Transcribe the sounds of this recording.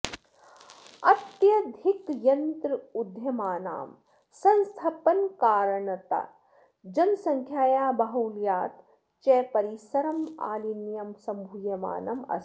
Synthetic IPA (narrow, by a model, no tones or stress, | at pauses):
ɐ̰t̪jɐd̪ʱikjɐnt̪ɾɨud̪ʱjɐmaːna̰ːm | sɐ̃nst̪ʰɐpɐnkaːɾɐɳɐt̪a̰ | d͡ʒɐnsɐŋkʰjaːjaːbɐɦuːljaːt̪ | t͡ʃeːpɐɾisɐɾɐma̰ːlinjɐmsɐmbʱujɐma̰ːnɐmɐ̰s